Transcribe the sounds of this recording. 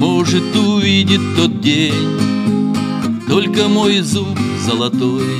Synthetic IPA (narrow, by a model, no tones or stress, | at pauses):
moʐɨt̪ʊvʲidʲɪt̪t̪ːot̪̚dʲenʲ | t̪o̞lʲkəmojzupzəlˠɐt̪oj